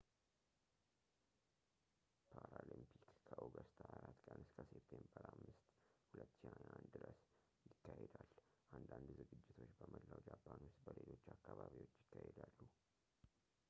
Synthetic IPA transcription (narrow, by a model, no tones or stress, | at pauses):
pʰaɾalimpʰikkʰəʔoɡəst̪ʰaʔaɾat̪ːkʼənɨskʰəsept̪ʰembəɾamːɨst̪hulət̪ːʃihaand̪ɨɾəs | jɪkːahed̪alʔand̪and̪zɨɡɨd͡ʒːɪt̪ʰo̞t͡ʃːbəməlːad͡ʒapʰːanʊst̪bəlelo̞t͡ʃːakːaβaβiwot͡ʃːjɪkːahed̪alːu